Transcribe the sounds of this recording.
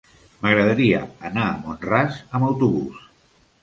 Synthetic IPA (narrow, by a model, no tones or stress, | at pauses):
məɣɾəðəɾiə̰ənaəmonrazəməwt̪uβus